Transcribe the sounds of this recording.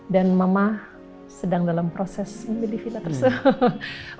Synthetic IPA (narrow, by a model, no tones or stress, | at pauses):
danmama | sədaŋdalampɾosɛsmmilifilat̪ərsə